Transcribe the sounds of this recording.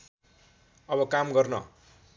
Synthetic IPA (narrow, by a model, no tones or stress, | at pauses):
ʌbʌkamɡʌrnʌ̰